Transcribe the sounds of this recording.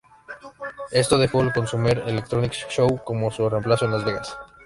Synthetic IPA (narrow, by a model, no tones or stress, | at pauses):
e̞st̪oðe̞xo̞alko̞nsumeɾelek̚t̪ɾonikʃowko̞mosure̞mplaso̞enlazβe̞ɣa̰s